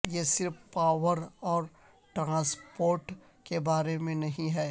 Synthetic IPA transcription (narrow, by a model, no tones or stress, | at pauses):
jesɪɾfpaːʋəɾɔːɾ | ʈɾãːspoːɾʈ | kebaːɾemẽnɐɦĩɦɛː